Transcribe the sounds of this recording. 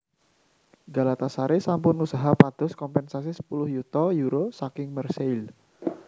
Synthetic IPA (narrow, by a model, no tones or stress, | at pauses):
ɡalat̪asaɾesampʊnusaɦapad̪̥ɔ̤skɔmpɛnsas̬isə̥pulʊhjut̪ɔjuɾosakɪŋmərsel